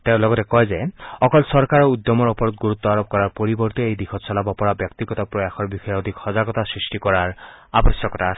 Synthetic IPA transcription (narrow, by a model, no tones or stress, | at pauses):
t̪eʊ̃lɔɡɔtekɔɦezeɔkɔlsɔɾkaɾɔud̪jɔmɔɾɔpɔɾɔt̪̚ɡuɾut̪ːɔaɾɔb̚kɔɾaɾpɔɾibɔɾt̪iejd̪ikʰɔt̪sʰɔlabapɔɾabjɔk̚t̪iɡɔt̪ɔpɾɔjaxʰɔɾbixʰɔjeɔd̪ʱikhɔzaɡɔt̪asɹisʈikɔɾaɾ | abɔsjɔkɔta